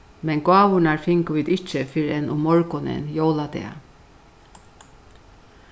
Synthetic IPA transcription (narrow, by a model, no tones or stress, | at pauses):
mɛŋɡɑːʋʊnaɹfɪŋkəʋiːd̪ɪt͡ʃəfɪɾɛnʔʊmɔɹkʊnɪ̰njowlat̪ɛ̰ːa̰